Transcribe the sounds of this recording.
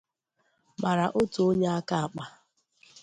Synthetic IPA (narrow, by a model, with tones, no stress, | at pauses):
ma˨ɾa˨ʔo˦tu˨o˦ɲe˦a˦ka˦a˨k͡pa˦